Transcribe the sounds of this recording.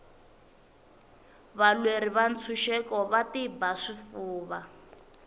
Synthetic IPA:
βalweɾiβant͡sʰuʃɛkɔβatibaʂifuːβa

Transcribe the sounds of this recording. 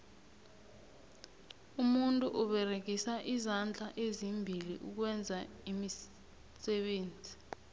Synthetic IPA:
umuntʼuʔuɓɛrek̬isaʔizand͡ɮʱaʔezimbʱilḭʔuk̬wɛnd͡zʱa | imi | sɛɓeːnd͡zʱi

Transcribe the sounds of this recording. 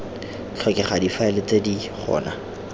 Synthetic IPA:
t͡ɬʰɛkɪχadifaɛlɪt͡sediχʰɔ̰ːna

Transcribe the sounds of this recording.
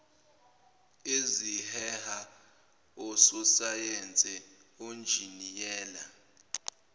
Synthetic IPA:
ezihɛha | ɔsɔsajɛnt͡sʼɛond͡ʒʱinijɛːla

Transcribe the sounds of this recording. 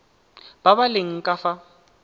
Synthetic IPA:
b̥abalɪŋ̩kʼafa

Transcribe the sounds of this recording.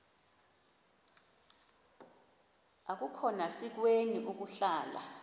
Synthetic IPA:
ak̬ukʰɔnasik̬weŋiʔuk̬uɬaːla̰

